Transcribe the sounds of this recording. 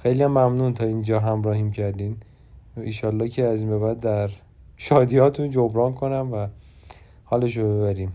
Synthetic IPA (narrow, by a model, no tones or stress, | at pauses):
xejlijæmːæmnuːnt̪ʰɒːiːnd͡ʒɒːɦæmɾɒːhiːmcʰæɾd̪iːn | inʃɒːlːɒːhcʰeæziːnbeβæd̪ːæɾ | ʃɒːd̪iɒːt̪ʰũnd͡ʒobɾɒːnkʰo̞næmvæ | hɒːleʃ̬obe̞βæɾiːm